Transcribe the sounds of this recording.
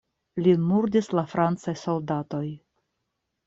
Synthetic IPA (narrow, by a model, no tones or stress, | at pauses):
limuɾdislafɾant͡sajso̞ldato̞j